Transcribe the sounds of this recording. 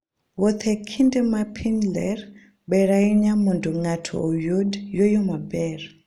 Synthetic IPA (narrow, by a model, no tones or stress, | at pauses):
wɔt̪ʰɛkʰindɛmapʰinlɛr | ɓɛɾaiɲamunduŋatʰɔ̰jodjojomabɛr